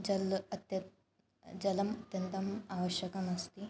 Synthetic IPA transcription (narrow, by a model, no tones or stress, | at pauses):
d͡ʑɐlɐt̪jɐ | d͡ʑɐlɐmut̪jɐnt̪ɐmaʋəɕjɐkɐnɐst̪i